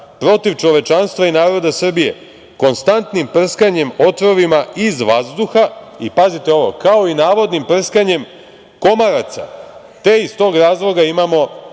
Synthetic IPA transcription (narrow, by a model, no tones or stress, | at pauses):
pɾo̞t̪iʋt͡ʃo̞ʋe̞t͡ʃanst̪ʋainaːɾo̞d̪asr̩bije̞̰ | ko̞nst̪ant̪nimpr̩skaɲe̞mo̞t̪ɾo̞ʋimaʔizʋazd̪uxaipazit̪eo̞ʋo̞̰kao̞inaːʋo̞d̪nimpr̩skaɲe̞m | ko̞maɾat̪sa̰ | t̪e̞ist̪o̞ːɡɾaːzlˠo̞ɡaimamo̞